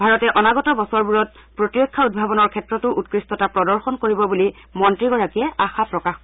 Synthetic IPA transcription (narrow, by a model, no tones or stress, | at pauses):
bʱaɹɔtɛʔɔnaɡɔtɔbɔsɔɹbuɹɔt̚ | pɹotiɹɔkʰːaud̚bʱabɔnɔɹkʰɛtɹɔtʊʔut̚kɹistɔtapɹɔdɔɹxɔnkoɹibɔbuli | mɔntɹiɡɔɹakiɛʔaxapɹɔkax